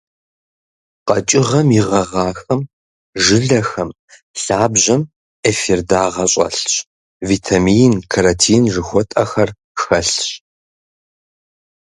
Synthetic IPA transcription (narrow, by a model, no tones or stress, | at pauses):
qɐt͡ʃʼɪʁɐmjɪʁɐʁɑːxɐm | ʒɨɮɐxɐm | ɬaːbʑɐm | eːfirdaːʁɐɕʼɐ̰ɬɕ | vitʰamijnkʰaɾɐtʰiːnʐɨxʷɔtʼɐxɐr | xɐɬɕ